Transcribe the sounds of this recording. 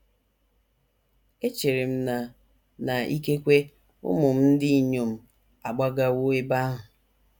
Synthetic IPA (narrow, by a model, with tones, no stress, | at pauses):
e˦t͡ʃe˨ɾe˨m̩˦na˨ | na˨ḭ˦ke˦kʷe˦ | ʊ̰˦mʊ˨m̩˦n̩˦dɪ˦i˦˨ɲo˨m̩˦ | a˨ɡ͡ba˦ɡa˦wo˦e˦ba˦ɦʊ˨